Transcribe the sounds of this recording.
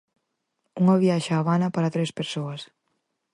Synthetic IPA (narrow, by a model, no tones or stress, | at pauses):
uŋɐβiaʃaːβanapaɾat̪ɾespeɾsoɐs